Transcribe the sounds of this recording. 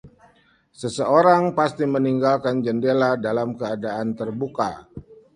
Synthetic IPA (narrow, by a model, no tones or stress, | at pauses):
səsəoɾaŋpast̪iməniŋɡalkand͡ʒəndeladalamkəadaant̪ərbuka̰